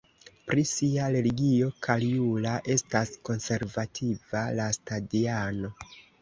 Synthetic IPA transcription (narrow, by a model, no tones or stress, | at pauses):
pɾisiaɾe̞liɡio̞kʰaljulaʔe̞stasko̞nse̞ɾvatʰivalastadiano̞